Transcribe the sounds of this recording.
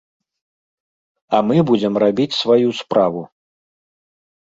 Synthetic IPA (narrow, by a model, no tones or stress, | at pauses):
ɐmɨbud͡zʲɛmrabʲit͡sʲsvajuspɾavu